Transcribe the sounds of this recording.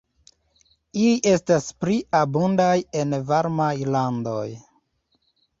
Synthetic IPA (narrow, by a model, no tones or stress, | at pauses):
iliʔe̞staspɾiabundaje̞nvaɾmajlando̞̰j